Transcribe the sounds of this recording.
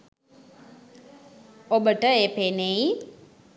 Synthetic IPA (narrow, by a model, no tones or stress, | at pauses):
obəʈəeːpeːneji